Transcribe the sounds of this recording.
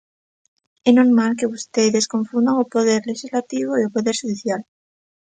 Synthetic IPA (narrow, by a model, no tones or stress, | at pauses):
ɛnoɾmalk̬eβust̪eðeskoɱfund̪aŋopoðeɾleʃizlat̪iβoiopoðeɾʃuðiθjal